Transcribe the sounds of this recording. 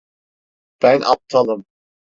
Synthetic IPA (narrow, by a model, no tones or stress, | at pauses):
b̥ænʔɑ̰p̚t̪ʰalˠɯm